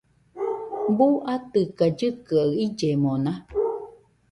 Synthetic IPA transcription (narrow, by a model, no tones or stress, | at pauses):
buʔat̪ɨkad͡ʒɨkɨaɯid͡ʒemõna